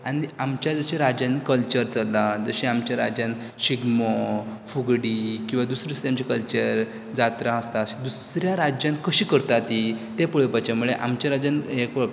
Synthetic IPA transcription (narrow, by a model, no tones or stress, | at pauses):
aɽ̃iamt͡ɕjad͡zəɕaɾad͡ʑankəlt͡ɕəɾt͡səlad͡zəɕiamt͡ɕjaɾa̰d͡ʑjan | ɕiɡmɔfuɡɽiːkĩw̃ʋad̪usɾiust̪amt͡ɕekəlt͡ɕəɾ | d͡zat̪ɾãəst̪aəɕid̪usɾjaɾad͡ʑjãnkəɕiːkəɾt̪at̪it̪epəɭəpat͡ɕamuɭeʔa̰mt͡ɕaɾad͡ʑanekə